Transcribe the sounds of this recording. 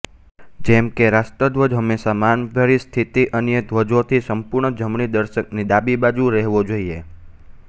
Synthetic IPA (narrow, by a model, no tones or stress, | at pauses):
d͡ʒɛmkeɾasʈ̪əd̪ʋəd͡ʒɦəmːesamanɡʱəɾist̪ʰit̪iʔənjəd̪ʱʋəd͡ʒot̪ʰisəmpuɾɳəd͡ʒəmɳid̪əɾʃək̚nid̪abibad͡ʒuɾɛɦʋod͡ʒoie